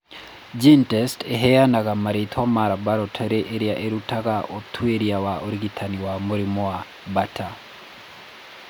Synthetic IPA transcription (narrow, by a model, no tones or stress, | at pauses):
d͡ʒintɛsteɦɛjanaɣamaɾetʰwamaɾabaɾɔtʰɛɾeʔeɾjaʔeɾutaɣaʔotʰweɾiawaoɾiɡitʰaniwamuɾimɔwa | bata